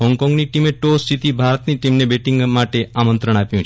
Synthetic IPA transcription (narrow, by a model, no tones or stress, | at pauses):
ɦɔŋkɔ̃ŋɡniʈimeʈost̪ʰit̪ibʱaɾət̪niʈimnebeʈiŋɡmaʈeʔamənt̪ɾəɳ̃apjũt͡ʃʰ